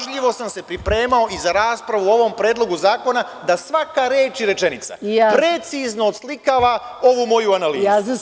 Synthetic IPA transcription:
ʒʎiʋo̞samse̞pɾipɾe̞ːmao̞ʔizaɾaːspɾaʋuo̞ʋo̞mpɾe̞ːd̪lˠo̞ɡuzaːko̞na | d̪asʋakaɾeːt͡ʃiɾe̞t͡ʃe̞nit̪sa̰pɾe̞t̪sizno̞ːd̪slikaːʋa | o̞ʋumo̞juanaliːzu

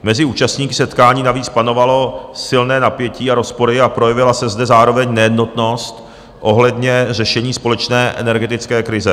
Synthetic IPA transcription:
mɛzɪuːt͡ʃast̪ɲiːkɪ̥sɛt̪kaːɲiːnaviːt͡spano̞valo̞sɪlnɛːnapjɛciːaɾo̞spo̞ɾɪapɾo̞jɛvɪlasɛzdɛzaːɾo̞vɛɲnɛjɛdno̞t̪no̞st̪ | ʔo̞ɦlɛdɲɛr̝ɛʃɛɲiːspo̞lɛt͡ʃnɛːʔɛ̰nɛɾɡɛt̪ɪt͡skɛːkɾɪzɛ

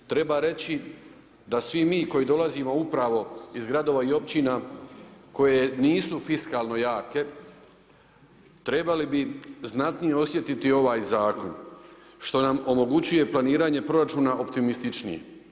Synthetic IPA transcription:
t̪ɾe̞baɾe̞t͡ɕi | d̪asʋimiːko̞jid̪o̞lazimo̞upɾaʋo̞izɡɾad̪o̞ʋaio̞p̚t͡ɕina | ko̞je̞niːsufiskaːlˠno̞jaːke̞ | t̪ɾe̞balibiznat̪nije̞o̞sje̞t̪it̪io̞ʋaːjzaːko̞n | ʃt̪o̞namo̞mo̞ɡut͡ɕuje̞planiːɾaːɲe̞pɾo̞ɾat͡ʃuːnaʔo̞pt̪imist̪it͡ʃnḭjḛ

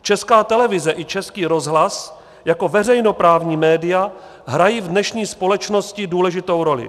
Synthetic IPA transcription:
t͡ʃɛskaːt̪ɛlɛvɪzɛʔɪt͡ʃɛskiːɾo̞zɦlas | jako̞vɛrɛjno̞pɾaːvɲiːmɛːdɪja | ɦɾajiːvdnɛʃɲiːspo̞lɛt͡ʃno̞scɪduːlɛʒɪt̪o̞wɾo̞lɪ̰

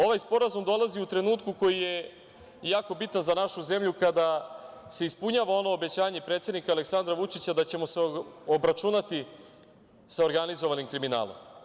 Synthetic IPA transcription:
o̞ʋajspo̞ɾazumd̪o̞lˠaziut̪ɾe̞nuːt̪kuko̞jije̞ | jaːko̞bit̪anzanaʃuze̞mʎukad̪ase̞ispuɲaːʋao̞no̞obe̞t͡ɕaːɲepɾet̪sed̪nikaːle̞ksand̪ɾaʋut͡ʂit͡ɕad̪at͡ɕe̞mo̞seobɾat͡ʃunat̪i | sao̞ɾɡanizoʋanimkɾimina̰ːlo̞̰m

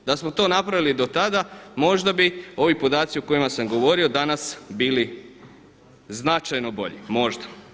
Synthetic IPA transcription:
d̪asmo̞t̪o̞napɾaʋilid̪o̞t̪ad̪amo̞ʒd̪abio̞ʋipo̞d̪aːt̪sioko̞jimasamɡo̞ʋo̞ɾio̞d̪anasbiːli | znat͡ʃajno̞bo̞̰ʎḭmo̞ʒd̪a

